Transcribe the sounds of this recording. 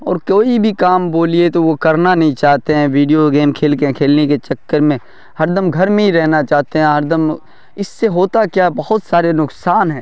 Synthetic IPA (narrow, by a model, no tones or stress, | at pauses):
ɔːɾkoːibʱikaːmboːliet̪oʋokɐɾnanɐɦĩt͡ʃaːɦt̪eɦɛ̃ʋiːɖijoɡeːmkʰeːlkẽkʰeːlneket͡ʃɐkːəɾmẽ | hɐɾd̪əmɡʱɐɾmẽɦiɾɛɦnat͡ʃaːt̪eɦɛ̃ɦɐɾd̪əm | ɪsːeɦoːt̪akjabɐɦʊt̪saːɾenʊksaːnɦɛ̃ː